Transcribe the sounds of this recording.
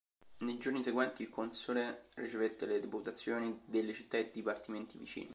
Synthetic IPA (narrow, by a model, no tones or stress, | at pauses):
nejd͡ʒorniseɡwɛnt̪iːlkonsolerit͡ʃevet̪ːeled̪eput̪at̪sːjoːnid̪elːet͡ʃit̪ːaed̪ipart̪iment̪ivḭt͡ʃḭːni